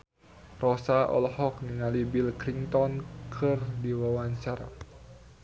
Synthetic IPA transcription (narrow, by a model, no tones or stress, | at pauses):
rɔsaʔɔ̰lhɔk̚niŋalibilkɾiŋt̪ɔnkʰɨrdiwawaɲt͡ʃaɾa̰